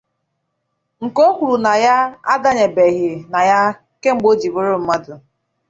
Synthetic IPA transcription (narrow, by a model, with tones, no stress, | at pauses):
ŋ̩˨ko˦kʷu˨ɾu˨na˨ja˦a˦da˦ɲe˨be˨ɣɪ˨na˨ja˦ | ke˦ŋ͡m̩˨ɡ͡bo˦d͡ʒi˨bʊ˦ɾʊ˦m̩˦ma˦dʊ˨